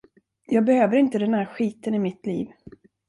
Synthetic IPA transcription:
jɑːɡ̚bɛhøːvəɾɪnt̪əd̪ɛnhæːɾɧiːt̪ənɪmɪt̪lḭːv

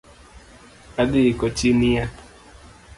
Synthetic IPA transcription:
adɪɪkɔt͡ʃinija

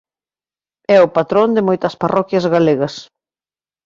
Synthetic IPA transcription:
ɛʊpat̪ɾond̪ɪmojt̪ɐsparʔɔkjɐzɣaleɣɐs

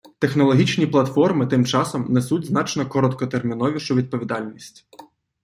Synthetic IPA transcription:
t̪e̞xnɔlˠɔɦʲit͡ʃnʲiplˠɐt̪fɔrmɪt̪ɪmt͡ʃɑsɔmnesutʲznɑt͡ʃnɔkɔɾɔt̪kɔt̪ermʲinɔʋʲiʃʊʋʲid̪̚pɔʋʲid̪ɑlʲnʲisʲtʲ

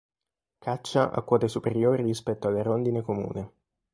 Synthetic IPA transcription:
kʰat͡ʃːaʔa̰kːwɔːt̪esupeɾjoːɾirispɛt̪ːoalːeɾond̪inekomṵːne

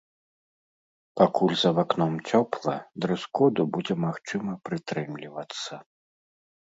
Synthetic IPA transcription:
pakulʲzɐvaknɔmt͡sʲɔplˠɐd̪ɾɨskɔd̪ubud͡zʲɛmaxt͡ʂɨmɐpɾɨt̪ɾɨmlʲivɐt̪sːɐ

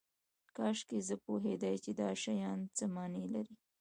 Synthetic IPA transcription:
kɑʃkezəpoɦed̪ajt͡ʃed̪ɑʃajɑnt͡səmɑnelaɾi

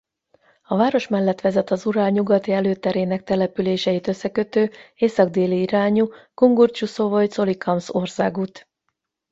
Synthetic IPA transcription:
ɒvaːɾo̞ʃmɛlːɛt̪ʋɛzɛt̪ɒzuɾaːlɲuɡɒt̪iɛløːt̪ɛɾeːnɛk̚t̪ɛlɛpyleːʃɛjit̪øsːɛkø̞t̪øːeːsɒɡ̚d̪eːliiɾaːɲukuŋɡurt͡ʃuso̞vo̞jt̪so̞likʰɒmso̞rsaːɡut̪

